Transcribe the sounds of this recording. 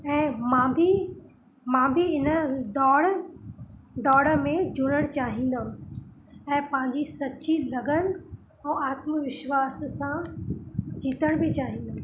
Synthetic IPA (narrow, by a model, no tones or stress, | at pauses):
ɛ̃ːmãːbʱi | mãːbʱiɪnəd̪ɔːɽ | d̪ɔːɽə̆mẽd͡ʑʱʊnəɽ̃t͡ɕaːɦĩːn̆d̪əũ | ɛ̃ːpɐ̃ɦɪ̃ɲd͡ʑisɐtːt͡ɕilɐɡən | ɛ̃ːaːt̪mʋɪʃʋaːssã | d͡ʑiːt̪əɽ̃bɪt͡ɕaːɦĩːnd̪əɦũ